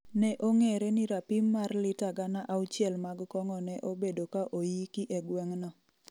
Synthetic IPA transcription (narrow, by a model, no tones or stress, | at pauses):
nɛʔoŋeɾɛnɪɾapimːarlɪtaɡanaʔawt͡ʃjɛlmaɡkɔŋɔnɛʔobedokaʔojikiʔɛɡwɛŋnɔ